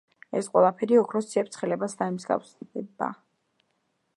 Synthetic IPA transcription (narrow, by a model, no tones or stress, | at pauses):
ɛ̰sqʼwɛlˠapʰɛɾiɔkʰɾɔst̪sʰiɛp̚t̪sʰχɛlɛbasd̪aɛmsɡa̰fsd̪ɛba̰